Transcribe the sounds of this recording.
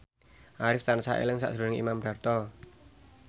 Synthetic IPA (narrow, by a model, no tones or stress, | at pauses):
ʔaɾɪft̪ansa̰ʔḛləŋsa̰ʔsɾunɪŋḭmamba̤rt̪ɔ